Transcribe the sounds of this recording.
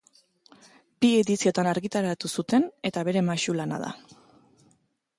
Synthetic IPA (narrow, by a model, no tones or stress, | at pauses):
bieðisio̞t̪anaɾɣit̪aɾat̪usut̪e̞ne̞t̪aβe̞ɾe̞maʃulana̰ða̰